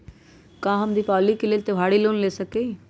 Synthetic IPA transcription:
kãːɦəmd̪iːpaːlikɪleːlt̪eʋ̤ʱaːɽiloːnleːsəke

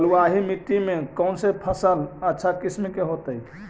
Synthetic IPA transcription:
luaɦimiʈːimẽkəʊnsepʰəsələtːʃʰakismikeɦot̪əɦj

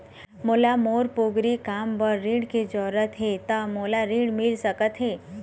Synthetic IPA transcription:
moːlamoːɾpoːɡɾikaːmbəɾːĩɽked͡ʒɔːɾət̪ɦet̪əmoːlaɾĩɽmɪlsəkət̪ɦeː

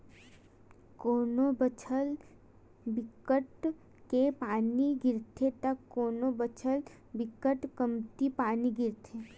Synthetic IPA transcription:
koːnobət͡ʃʰəl | bɪkəʈ | kepaːniɡɪɾt̪ʰet̪əkːoːnobət͡ʃʰəl | bɪkəʈkəmt̪ipaːniɡɪɾt̪ʰeː

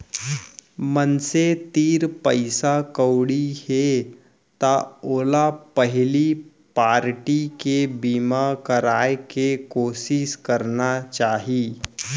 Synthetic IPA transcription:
mənset̪iːɾpəɪsakəwɽihe | t̪aoːlapəɦɪli | paːɾʈikebiːmakəɾaːekekoːsɪʃkəɾnat͡ʃaːɦiː

